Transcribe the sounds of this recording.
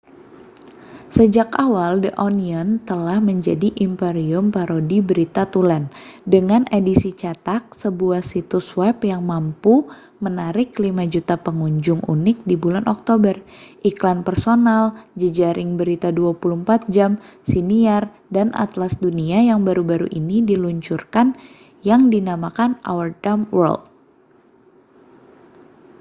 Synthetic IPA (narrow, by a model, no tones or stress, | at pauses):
səd͡ʒakawaldəʔɔniɔnt̪əlahməɲd͡ʒadiʔimpeɾiʊmpaɾodibəɾit̪at̪ulandəŋanedisit͡ʃat̪ak̚səbuahsit̪uswɛpjaŋmampu | mənaɾɪkːlimad͡ʒut̪apəŋuɲd͡ʒʊŋṵnɪk̚dibulanʔɔk̚t̪obərʔiklanpərsonald͡ʒəd͡ʒaɾʔɪŋbəɾit̪aduapuluhəmpat̪̚d͡ʒamsiniar | danʔa̰t̪lasduniajaŋbaɾubaɾṵʔinidiluɲt͡ʃurkan | jaŋdinamakana̰wərdamwə̰rld̪̚